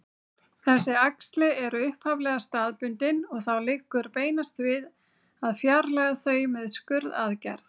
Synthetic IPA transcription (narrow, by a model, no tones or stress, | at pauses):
θɛsːɪakst̪lɪɛɾʏʏhphavlɛɣast̪aːðpʏnt̪ɪnɔɣθawlɪkːʏɾpeːjnast̪vɪð | aðfjaɾlaɣaθœːɥjmɛðskʏɾða̰ðca̰ɾð